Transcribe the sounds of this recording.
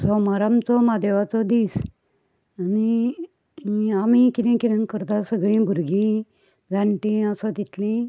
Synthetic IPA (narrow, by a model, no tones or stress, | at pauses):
sɔmaɾamt͡sɔmad̪eʋat͡sɔd̪iːs | ani | amikid̪ẽkiɾə̃nkəɾt̪asəɡɭĩbʱuɾɡĩ | d͡zaɳʈĩəsat̪it̪lĩ